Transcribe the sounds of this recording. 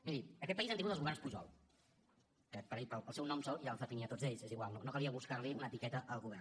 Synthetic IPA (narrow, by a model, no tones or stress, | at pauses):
miðiəkɛt̪̚pəizant̪iŋut̪lˠzɣuβɛrnspuʒɔ̰lˠ | əpəɾeʎpəlˠəlˠsɛwnɔmsɔlˠʒalfəfiniət̪od͡zzeʎseziɣwalnonokəliəβuskaɾliunəːt̪ikɛt̪əʔəlˠɣuβɛr